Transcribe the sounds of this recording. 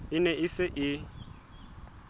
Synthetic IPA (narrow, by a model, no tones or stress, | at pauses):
ɪnɛɪsɪʔɪ